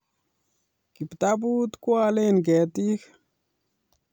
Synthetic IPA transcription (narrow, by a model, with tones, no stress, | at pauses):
ki˨pt̪a˦bu˦t̪kwa˦˧le˦nɡɛ˨t̪i˦x